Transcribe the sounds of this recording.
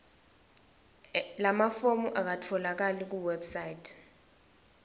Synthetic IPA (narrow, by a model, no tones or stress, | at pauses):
lamafomuʔak̬atʰɔlak̬alik̬uwɛbsajtʰ